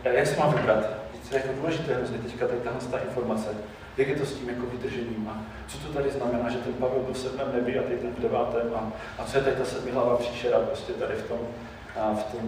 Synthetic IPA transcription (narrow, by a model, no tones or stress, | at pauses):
jaksɛmaːmvɪbɾat̪ɛt̪ɛjakoduːlɛʒɪt̪ɛːɦɾozɲɛt̪ɛckat̪at̪aɦlɛst̪aːʔɪnfo̞ɾmat͡sɛ | jaɡjɛt̪o̞sciːmjakovɪd̪r̩ʒɛɲiːmʔa | t͡sot̪ot̪adɪznamɛnaːʒɛt̪ɛnpavɛlbɪlsɛdmɛmnɛvɪat̪ɛt̪ɛnmprɛvaːt̪ɛmʔa | ʔat͡sojɛt̪adt̪asɛdmɪɦlavakr̥iːʃɛɾapɾoscɛt̪adɪft̪o̞m | ft̪om